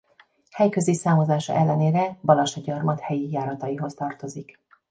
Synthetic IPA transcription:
hɛjkø̞zisaːmozaːʃɒ̰ʔɛlːɛneːɾɛbɒlɒʃɒɟɒrmɒt̪hɛjijaːɾɒt̪ɒjiɦo̞st̪ɒrt̪o̞zik

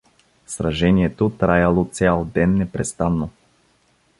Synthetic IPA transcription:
sɾaʒɛniɛt̪ot̪ɾajalˠot̪sʲalˠd̪ɛnːɛpɾɛst̪anːo

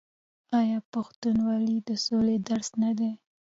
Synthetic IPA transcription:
ɑjɑpaxt̪unwɑlid̪əsoled̪aɾsnad̪e

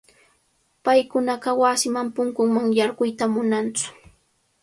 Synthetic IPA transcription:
pajkʊnɑɢɑwasɪmampʊŋkʊŋmaŋjɑɾɢʊjt̪amʊnant͡sʊ̥

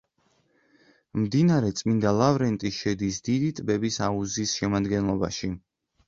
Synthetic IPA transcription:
md̪inaɾɛt̪sʼmind̪alˠavɾɛnt̪ʼiʃɛd̪isd̪id̪it̪ʼbɛbisauzisʃɛmad̪ɡɛnlˠɔba̰ʃi

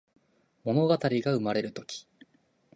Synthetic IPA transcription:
mo̞no̞ɡat̪aɾʲiɡaɯ̟maɾe̞ɾɯ̟t̪o̞kʲi̥

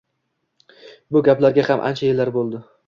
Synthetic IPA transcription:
bʊɡʲaplaɾɡʲahamʔa̰nt͡ʃʰajelːaɾbolˠd̪ɪ

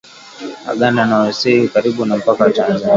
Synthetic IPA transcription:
a̰ɠananawɛsihikaɾiɓunam̩pakawatanzani

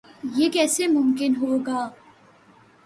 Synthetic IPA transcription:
jeːkɛːsemʊmkɪnɦoːɡaː

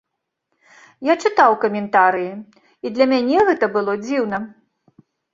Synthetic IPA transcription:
jat͡ʂɨt̪awkɐmʲɛnt̪aɾɨji | id̪lʲɐmʲanʲɛɣɛt̪ɐbɨlˠɔd͡zʲiwnɐ

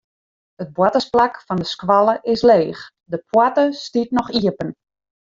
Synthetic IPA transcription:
ət̚bwɔtəsplakfɔndəskʋalˠəʔɪsleːx | dəpʰwatəstitnɔxiəpən

